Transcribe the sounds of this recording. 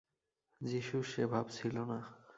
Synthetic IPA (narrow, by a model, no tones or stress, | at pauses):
d͡ʑiʃuʃebʱabt͡ɕʰilona